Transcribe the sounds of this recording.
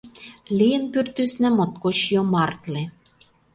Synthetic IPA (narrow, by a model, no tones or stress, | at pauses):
lijɘ̆npyrt̪ysnæ̆mot̪̚kot͡ɕjomɑrt̪le